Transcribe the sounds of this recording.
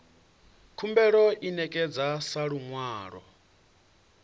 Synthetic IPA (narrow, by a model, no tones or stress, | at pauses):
kʰumbɛɺɔʔinɛkʼɛd͡zasaɺuŋwaːɺɔ̰